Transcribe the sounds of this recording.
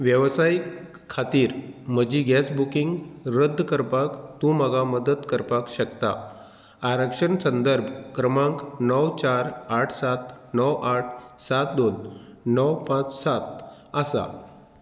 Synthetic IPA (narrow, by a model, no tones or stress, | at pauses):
ʋjəʋsajikʰː | at̪iːɾm̤əd͡ʑiːɡɛsbukiŋɡɾəd̪ʱːkəɾpakt̪ũməɡaməd̪ət̪kəɾpakɕəkt̪a̰ː | ɾəkʂəɳsənd̪əɾbʱkɾəmãŋknɔwt͡ɕaɾaʈʰsat̪nɔwʔaʈʰsat̪̚d̪onːəwpãt͡ssat̪̚ | əsa̰